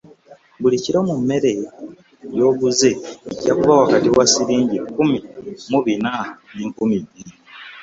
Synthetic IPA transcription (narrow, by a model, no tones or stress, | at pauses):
βuliciɾomumːe̞ɾe | jo̞ːɡuzeːcakuβawakatiwasiɾiːɲɟikːumimuβinaniːŋkumiɟiɾi